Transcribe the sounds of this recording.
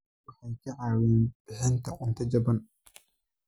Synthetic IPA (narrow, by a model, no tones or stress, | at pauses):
wɑħɑjkʰɐʕɑːwɛːnbɪħɪnt̪ʰɐqʼʊnt̪ʰɐd͡ʒɐbɐn